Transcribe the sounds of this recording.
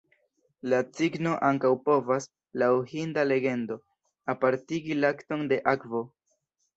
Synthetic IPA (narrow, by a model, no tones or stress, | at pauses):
lat͡siɡno̞ʔaŋkawpo̞vas | lawhindale̞ɡe̞ndo̞ | apaɾtiɡilakto̞nde̞ʔakvo̞